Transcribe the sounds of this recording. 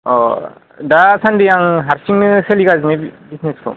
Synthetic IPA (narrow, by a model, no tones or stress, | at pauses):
ɔ | dasʰandijaŋɦaɾsiŋnɯselikazinebisneskʰɔ̰